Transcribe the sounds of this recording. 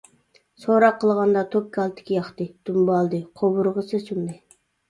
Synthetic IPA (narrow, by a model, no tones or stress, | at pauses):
soɾɑqʰːəlˠʁɑnd̪ɑt̪ʰop̚kʲʰɑlˠt̪ʰɪ̥kʲʰijɑχt̪ɨd̪̥umbɑlˠd̪ɨqʰobuɾʁəsɨsynd̪ɪ